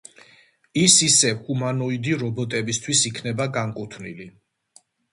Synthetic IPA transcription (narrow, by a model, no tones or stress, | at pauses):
isisɛhumanɔid̪iɾɔbɔt̪ʼɛbist̪ʰwisikʰnɛbaɡaŋkʼut̪ʰvnḭli